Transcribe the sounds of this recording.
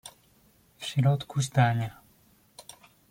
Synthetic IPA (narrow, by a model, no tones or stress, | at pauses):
fɕɾɔt̪kʰuzd̪aɲa